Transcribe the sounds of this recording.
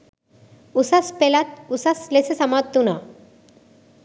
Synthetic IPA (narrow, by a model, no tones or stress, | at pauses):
usaspelat̪̚usaslesesamat̪ːuna